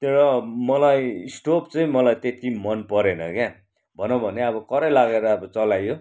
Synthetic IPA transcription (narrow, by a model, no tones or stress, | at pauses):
t̪eɾʌmʌlajisʈopt͡sʌĩmʌlajt̪et̪ʰimʌnpʌɾenʌkja | bʱʌnʌ̃bʱʌneʌbʌkʌɾʌjlaɡeɾʌʌbʌt͡sʌlajo